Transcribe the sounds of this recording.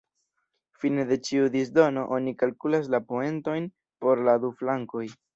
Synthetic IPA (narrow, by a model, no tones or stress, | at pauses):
fine̞de̞t͡ʃiud̪isdo̞no̞ʔo̞nikalkulas̬lapoe̞nto̞jn | po̞ɾladuflaŋko̞j